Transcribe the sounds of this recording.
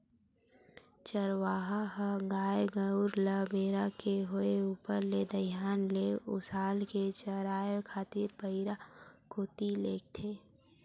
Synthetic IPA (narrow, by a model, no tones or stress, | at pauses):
t͡ʃəɾʋaːɦaɦəɡaːjɡəʊɾləbeːɾakeɦoeuːpəɾled̪əjaːnleʊ̰saːlket͡ʃəɾaːjekʰaːt̪iɾpəɪɾakoːt̪ileːk̚t̪ʰeː